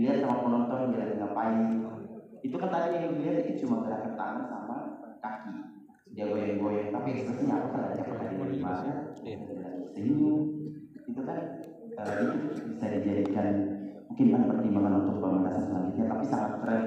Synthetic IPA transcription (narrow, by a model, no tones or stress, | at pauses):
liat̪saŋat̪̚mənɔnt̪ɔndalad̪əŋapaɪŋ | it̪ukant̪adiaŋibəliarbikɪt̪̚t͡ʃumant̪əɾakant̪a̰marsamakaki | diaɡojɛŋɡojɛŋt̪apaɛksp̪ɾɛsɲaapakaladiapakadilalimakaaalansəimu | it̪ukan | t̪aladik̪ibisadid͡ʒadikanmuŋkɪnkanpərt̪imbaŋanunt̪ʊk̚bamənasasəmankit̪̚ɲat̪apisaŋat̪t̪əɾɛ